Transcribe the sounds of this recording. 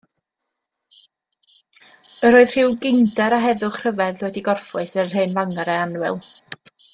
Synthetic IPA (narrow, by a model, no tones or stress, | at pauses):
əɾoːɨð̥r̥ɪwɡɪndɛɾaɦɛðʊχr̥əvɛðwɛdiɡɔrfʊɨsə̥ɦeːnvaŋaɾɛanwɪ̰lˠ